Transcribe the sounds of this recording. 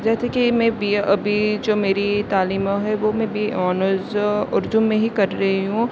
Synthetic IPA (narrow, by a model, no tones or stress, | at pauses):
d͡ʒɛːsekimɛ̃biʔɐbʱid͡ʒoːmeːɾit̪aːliːmɦɛʋomɛ̃bʱiɔːnəzʊɾd͡ʒ̪ʊmːẽɦikɐɾːɐɦiɦũ